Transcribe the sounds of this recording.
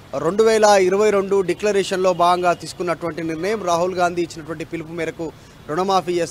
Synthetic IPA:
ɾe̞ɳɖuʋɛːlɐiɾɐʋɐjɾo̞ɳɖuɖiklɐɾɛːʂɐnlo̞ːbaːɡɐŋɡaːt̪iːsu̥kunːɐʈuʋɐɳʈiniɾnɐjɐmɾaːɦulɡaːnd̪ʱiːt͡ʃːinɐʈuʋɐɳʈipilpumiːɾɐku | ɾuɳɐmaːpiːt͡ʃeːs

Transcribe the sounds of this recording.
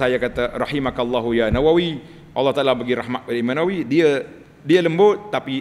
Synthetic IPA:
ajakat̪arɑħimakalˤːaɦujanawawi | ʔɑlːɑht̪aʔlabəɡiɾahmat̪̚kadaimanawidiə | diələmbʊt̪̚ːapi

